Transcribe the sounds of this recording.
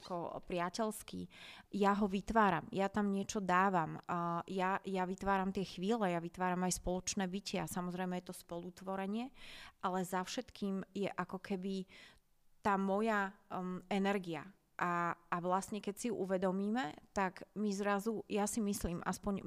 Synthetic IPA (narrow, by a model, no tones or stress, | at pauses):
kɔpɾɪacɛʎskḭjaɦɔʋit̪ʋaːɾa̰mjat̪amɲɪɛt͡ʃɔd̪aːʋamjajaʋit̪ʋaːɾamt̪ɪɛxʋiːlɛjaʋit̪ʋaːɾamajspɔlɔt͡ʃnɛːbicɪasamɔzɾɛjmɛjɛt̪ɔspɔlut̪ʋɔɾɛɲɪɛʔalɛzafʃɛt̪kʰiːmjɛʔakɔkʰɛbi | t̪aːmɔja | ɛnɛɾɡia | ʔaːʋlast̪ɲɛkɛcsijuʔuʋɛd̪ɔmiːmɛt̪aɡmizɾazujasimisliːmʔa̰spɔɲ